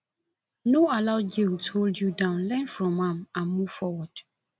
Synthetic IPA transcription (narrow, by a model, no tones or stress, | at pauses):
noalaʊɡiwtholdjudãʊ̃nlɛ̃nfɹɔ̃mãmãnmuv̥fɔwɔd̥